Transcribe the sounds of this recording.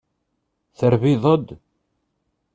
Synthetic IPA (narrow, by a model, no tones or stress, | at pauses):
θəɾviðˤəd̪